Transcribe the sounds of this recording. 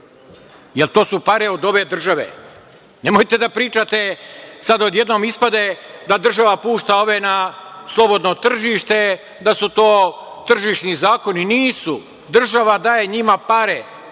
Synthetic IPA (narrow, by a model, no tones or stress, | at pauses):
jelˠt̪o̞ːsupaɾeo̞d̪o̞ʋe̞d̪r̩ʒaʋḛ | nemojt̪e̞d̪apɾiːt͡ʃat̪e̞sad̪od̪je̞d̪no̞mispad̪e̞d̪ad̪r̩ʒaʋapuːʃt̪ao̞ʋe̞naslˠo̞bo̞d̪no̞t̪r̩ʒiʃt̪e̞ | d̪asut̪oːt̪r̩ʒiʃnizaːko̞niniːsu | d̪r̩ʒaʋad̪aːje̞ɲimapaɾe